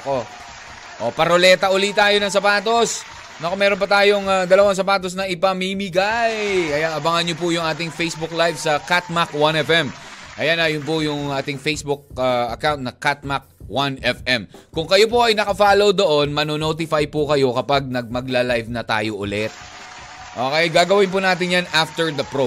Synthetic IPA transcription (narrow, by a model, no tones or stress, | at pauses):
ɐko | ʔopɐɾolɛːt̪ɐʔʊlit̪aːjo̞nɐŋsɐpaːt̪o̞s | nokomɛːɾonpɐt̪aːjoŋaɡ̪ɐlɐwaŋs̬ɐpaːt̪̬os̬nɐʔɪpɐmimɪɡajɐjaɐbɐŋɐnɲopʊjʊŋʔaːt̪ɪŋfejsbʊk̚lajvsɐkat̪̚makwanɛfɛmʔɐjanɐjʊnp̬ʊjʊŋʔaːt̪ɪŋfejsbʊk̚aɐkawnt̪̚nɐkat̪̚mak̚wanɛfɛmkʊŋkɐjop̬oʔɐjnɐkɐfaːlowd̪o̞ʔonmɐnonoːt̪̬ɪfajpʊkɐjo̞kɐpaɡ̚nɐɡ̚mɐɡlalajvnɐt̪a̰ːjoʔʊlɛt̪̚ | ʔokɐjaɡaːɡɐwɪnp̬ʊnaːt̪ɪnjanʔaft̪ɛɹd̪ɐpɹo